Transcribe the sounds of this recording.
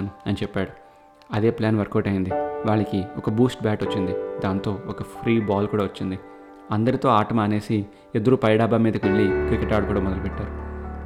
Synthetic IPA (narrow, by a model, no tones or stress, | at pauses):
nuɐnit͡ʃɛpːaːɽu | ɐd̪e̞ːplaːnʋɐɾkoːʈɐjind̪iʋaːɭːɐkiɔkɐbuːsʈ̚baːʈot͡ʃːind̪id̪aːnt̪o̞ːɔkɐpʰɾiːbaːlkuːɽaːʋɐt͡ʃːind̪i | ɐnd̪ɐɾit̪o̞ːaːʈɐmaːne̞ːsi | ed̪ɐɾupɐjɐɽaːbaːmiːd̪ɐkʋe̞ɭːikɾikeʈaːɽkuːɽaːmɔd̪ɐlɐpɛʈːaːɾu